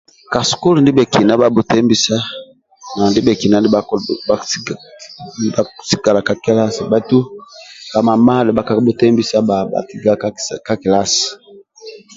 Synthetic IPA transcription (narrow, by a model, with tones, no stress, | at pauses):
ka˨su̥˨ku˦li˨ndi˦bɛ˨ki˨na˦ba˦bu˨tɛ˦mbi˨sa˦ | na˨ndi˦bɛ˨ki˨na˨ni˦˨a˦ | a˦si̥˦ka˨la˨ka˦kɛ˦la˦si˨ba˨tu˦ka˨ma˨ma˦˨lɛ˨ba˨ka˨˦bu˨tɛ˦mbi˨sa˦ba˨ba̰˨ti˦ɡa˨kka˦ki˨la˦si̥˨